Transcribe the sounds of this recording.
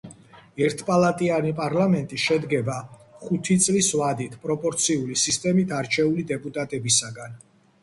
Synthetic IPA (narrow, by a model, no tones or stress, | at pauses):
ɛɾt̪ʰpʼalˠat̪ʼianipʼaɾlamɛnt̪ʼiʃɛd̪ɡɛbaχut̪ʰit̪sʼlisvad̪it̪ʰpʼɾɔpʼɔɾt̪sʰiulisist̪ʼɛmit̪ʰaɾt͡ʃʰɛulid̪ɛpʼut̪ʼat̪ʼɛbisaɡan